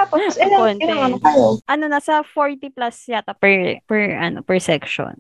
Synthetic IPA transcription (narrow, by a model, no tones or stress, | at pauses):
aposɛonɐaoʔɐnonɐsɐfoɹt̪iplasjat̪ɐpɛɹpɛɹʔɐno̰pɛɹsɛkʃo̰n